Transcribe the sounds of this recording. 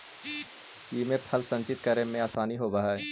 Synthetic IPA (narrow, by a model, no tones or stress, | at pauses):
jimẽpʰɐlsə̃nt͡ʃɪt̪̚kəɾemẽaːsaːniɦobaɦaːɛ